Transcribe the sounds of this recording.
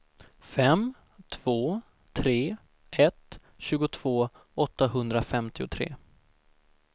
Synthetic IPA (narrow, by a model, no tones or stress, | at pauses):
fɛm | t̪ʰv̥oː | t̪ʰɾeː | ʔɛt̪ | ɕʉ̟ːɡʊt̪ʰv̥oː | ɔt̪ːaɦɵnd̪ɾafɛmt̪ɪʊt̪ʰɾḛː